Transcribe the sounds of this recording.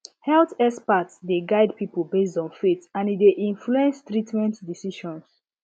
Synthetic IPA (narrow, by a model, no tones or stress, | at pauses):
hɛltɛspatsdeɡaɪdpiplbes̬tɔ̃nfetãnideʔĩnfluɛ̃nstɹitmɛ̃ntdisiʃɔ̃ns